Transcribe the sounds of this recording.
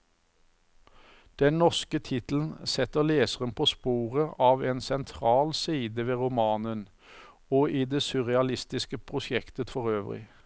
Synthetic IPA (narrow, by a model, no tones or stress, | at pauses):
d̪̥ɛnnɔʁskət̪ʰɪt̪l̩n̩sɛt̪əʁleːsəʁənpʰoːspuːʁəʔɑːʋeːnsɛnt̪ʰʁɑːlsiːd̪əʋeːʁʊmɑːnən | oːʔiːd̪eːsʉʁɛɑlɪst̪ɪskəpʰʁʊsjɛkt̪ət̪fɔʁøːʋʁɪ̰